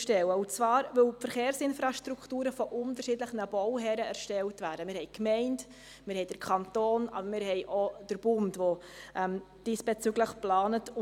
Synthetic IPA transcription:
ʃtɛwəʊnt͡svɑːɾvɵlfəɾχeːɾsɪnfɾɑʃtɾuktuːɾəfɔʔʊntəɾʃidləχənəbɔwɦɛɾəæɾʃtɛltvæːɾdəmɪːɾhɛɪkmɛɪnd | mɪːɾhɛɪjd̥əɾkʰɑntoːnɑ̰bəmɪɾɦɛɪʔod̥əɾb̥ʊndvoʔɛm | d̥iːsb̥ɛt͡syːɡləχplɑːnətʊ

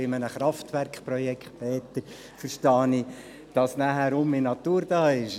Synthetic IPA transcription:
ɪmənəχɾɑftʋæɾkχprɔjɛkχt̚pɛːt̪əɾ | fəɾʃtɑːni | d̥ɑsnæɦæɾʊmːinɑt̪uːɾd̥ɑːɪʃ

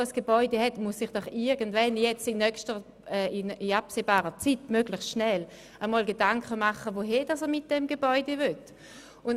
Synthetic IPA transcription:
əsɡ̥ebɔʏdeɦɛtmʊsːɪχd̥ɔχɪɐɡən̩dvɛnjɛt͡stɪnːœkʃtəʁ | ɛːɪɪapseːbaːʁət͡sitmøɡləχsʃnɛl | amɔːlɡedaŋkəmaχəvoɦɛɐd̥ɑsəmɪt̚d̥ɛmɡebɔʏdevʏt | ʊn

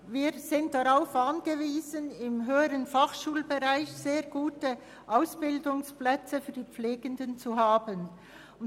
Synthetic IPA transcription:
viːɾz̥ɪnt̚d̥aʁaʊfʔanɡ̥əviːzənɪmɦøːəɾənfaχʃuːlbeʁaɪçz̥eːʁɡuːtə | ʔaʊsb̥ɪldʊŋsplɛt͡səfyːɐdiːp͡fleːɡəndənt͡suɦaːbən | ʊn

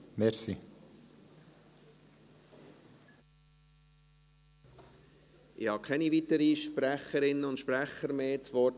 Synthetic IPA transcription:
mɛɾsi | ʔɪhɑːkʰɛnivit̪əɾiʃpɾæχəɾɪnːəʊntʃpɾæχəɾmeːt͡svɔt

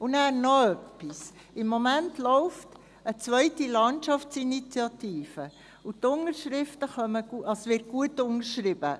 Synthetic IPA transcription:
ʊnæːɾnɔœpːis | ɪmːɔmæntlɔʊft | ət͡sʋœʏtilɑntʃɑft͡sinit͡sjɑtiːfə | ut̪ːʊŋəɾʃɾɪftəχœməɡ̥uʔɑsʋɪt̚ɡ̥uətːʊŋəɾʃrɪb̥ə̰

